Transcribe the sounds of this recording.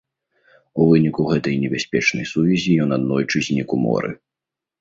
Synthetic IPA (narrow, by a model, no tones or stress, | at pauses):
uvɨnʲikuɣɛt̪ɐjnʲɛbʲɛsʲpʲɛt͡ʂnɐjsuvʲizʲijɔnad̪nɔjt͡ʂɨzʲnʲikumɔ̰ɾɨ̰